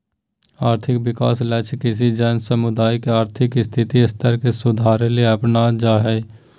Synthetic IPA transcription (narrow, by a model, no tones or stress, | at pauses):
aːɾt̪ʰɪkʋɪkaːslət͡ʃʰkɪs̬id͡ʒənsəmʊd̪aːjkeaːɾt̪ʰɪkɪst̪ʰɪt̪iɪst̪ʰəɾkesʊd̪ʱaːɾelieɐpnad͡ʒaːɦɛː